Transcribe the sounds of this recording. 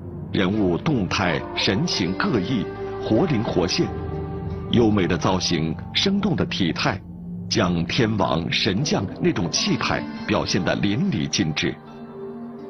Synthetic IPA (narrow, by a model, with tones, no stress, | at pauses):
ɻə˧˥nu˥˧t̪ʊ˥˧ŋt̪ʰa˥˩ɪʂə˧˥nt͡ɕʰi˧˥ŋkɤ˥˧i˥˩xwɔ˧˥li˧˥nxwɔ˧˥ɕjɛ˥˩n | jo˥ʊme˨˩ɪd̪ə˦t͡sɑ˥ʊɕi˧˥ŋ | ʂɤ˥ŋt̪ʊ˥˩ŋd̪ə˩t̪ʰi˨˩t̪ʰa˥˩ɪ | t͡ɕjɑ˥ŋt̪ʰjɛ˥nwɑ̰˧˥ŋʂə˧˥nt͡ɕjɑ˥˧ŋne˥˩ɪʈ͡ʂʊ˨˩ŋt͡ɕʰi˥˧p̪ʰa̰˥˩ɪpjɑ˨˩ʊɕjɛ˥˩nd̪ə̰˩li˧˥nlḭ˨˩t͡ɕi˥˧nʈ͡ʂɻ̩˥˩